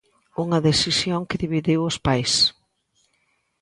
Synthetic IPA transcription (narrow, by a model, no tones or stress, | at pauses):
uŋɐðesisjoŋkɪðiβiðiwʊspajs